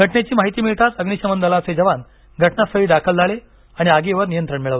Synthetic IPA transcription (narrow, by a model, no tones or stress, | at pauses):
ɡʱəʈnet͡ɕiːmaɦit̪iːmiɭt̪ʰat͡səɡniɕəmənd̪əlat͡sed͡ʑəʋan | ɡʱəʈnasəɦiːd̪akʰəld͡zʱaɭe | aɽ̃iaɡeʋəɾnijənt̪ɾəɳmiɭəʋ̪e